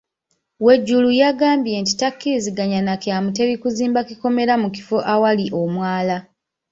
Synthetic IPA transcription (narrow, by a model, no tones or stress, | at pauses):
we̞ɟːulujaɡaːmbje̞nti̥takːiɾiziɡaɲanakamute̞βikuziːmbakiko̞me̞ɾamuki̥foʔawaliʔo̞mwaːla